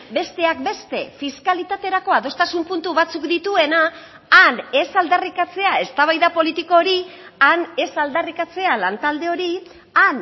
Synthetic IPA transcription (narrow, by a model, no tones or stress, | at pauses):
be̞st̪e̞ak̚be̞st̪e̞fiskalit̪at̪e̞ɾako̞aðo̞st̪asumpunt̪uβat͡sukd̪it̪ue̞naː | ne̞sald̪arikat͡se̞ae̞st̪aβajðapo̞lit̪iko̞ːɾiane̞sald̪arikat͡se̞alant̪ald̪e̞o̞ɾi | an